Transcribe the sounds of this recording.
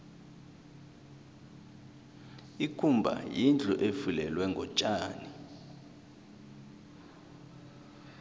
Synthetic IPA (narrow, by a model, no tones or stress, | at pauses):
ikʰumbʱa̰jind͡ɮʱɔʔefilɛlwɛŋɡʱɔt͡ʃʼaːni